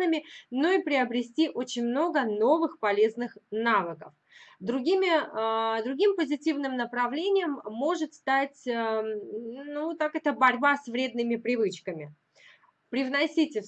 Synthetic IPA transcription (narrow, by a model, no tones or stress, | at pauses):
nɨmʲɪno̞ipɾʲɪɐbɾʲɪsʲtʲiʔo̞t͡ɕɪnʲmno̞ɡəno̞vɨxpɐlʲe̞znɨxnavəkəf | d̪ɾʊɡʲimʲɪd̪ɾʊɡʲimpəzʲɪtʲivnɨmnəpɾɐvlʲenʲɪjəmːo̞ʐɨt̪st̪atʲə | nut̪akɛt̪əbɐɾʲbasʲvɾʲe̞d̪nɨmʲɪpɾʲɪvɨt͡ɕkəmʲɪ | pɾʲɪvnɐsʲitʲɪf